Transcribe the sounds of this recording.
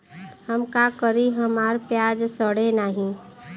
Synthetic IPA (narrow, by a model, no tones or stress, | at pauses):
həmkakəɾiɦəmaːɾpjaːd͡ʒsəɽenaːɦĩ